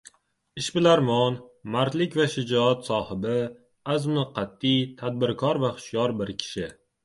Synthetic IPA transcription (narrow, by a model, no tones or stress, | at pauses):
ɪʃbɪlaɾmɒnmaɾt̪lɪkʲvaʃɪd͡ʒɒat̪sɒhɪbɪ | azmɪqʰɑt̪ːijt̪ʰad̪̚bɪɾkʰɒɾvaχʊ̥ʃjɒɾbɪɾkʲʰɪ̥ʃɪ